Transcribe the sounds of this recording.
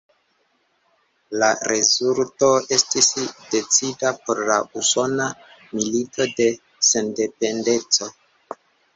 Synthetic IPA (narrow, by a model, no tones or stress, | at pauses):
laɾezulto̞e̞stisde̞t͡sidapo̞ɾlauso̞namilitʰo̞de̞ | se̞nde̞pe̞nde̞t͡so̞